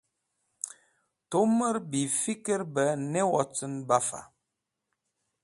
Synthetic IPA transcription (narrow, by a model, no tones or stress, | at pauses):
toməɾbifikəɾbənɛwɔt͡sənbafa̰